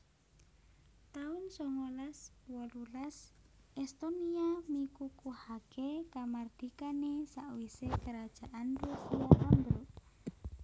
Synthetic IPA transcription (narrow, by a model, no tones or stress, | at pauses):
t̪aʊnsɔŋolaswɔlulas | ɛst̪oniamikukuhaɡ̥ekamard̪̥ikanesaʔwisekəɾad̥ʒ̥a̤ʔanrusiaʔambɾʊʔ